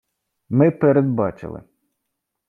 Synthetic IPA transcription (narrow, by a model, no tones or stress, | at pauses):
mɪpeɾed̪̚bɑt͡ʃɪ̰lˠɪ̰